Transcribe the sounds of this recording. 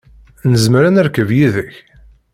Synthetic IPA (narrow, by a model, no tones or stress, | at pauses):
nəzməɾænæɾkəvjiðəç